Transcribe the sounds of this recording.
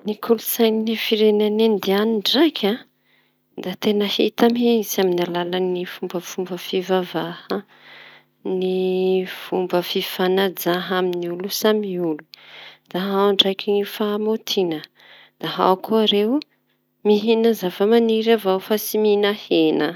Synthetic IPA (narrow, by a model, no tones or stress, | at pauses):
nikʰulusajninifiɾenanend̪ianiɳɖ͡ʐajkʲʰã | d̪at̪enəhḭt̪amiisaminalalanifumbəfumbəfivavahə | niv̥umbəfifanad͡zaɦaminiulusamiulud̪̥aɦawɳɖ͡ʐajkʲinifamot̪ʰinə | d̪̥aɦa̰wkʰuaɾew | miɦinəzavəmaniɾavawfasiminahenə